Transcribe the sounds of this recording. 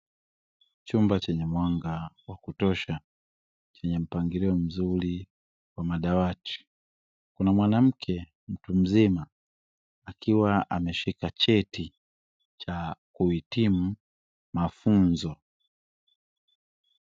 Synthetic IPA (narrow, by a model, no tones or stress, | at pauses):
t͡ʃumbat͡ʃɛɲɛmwaŋɡawakutɔʃa | t͡ʃɛɲɛm̩paŋɡiɾiɔm̩zuli | wamaɗawat͡ʃi̥ | kunamwanam̩kʰɛ | m̩tum̩zimaː | kiwaʔamɛʃikat͡ʃɛti | t͡ʃakuitimu | mafunzɔ